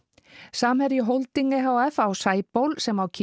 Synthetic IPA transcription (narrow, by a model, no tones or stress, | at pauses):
saːmhɛɾiɦowlt̪iŋkɪɦawafawsaːjpowlsɛmawcʰ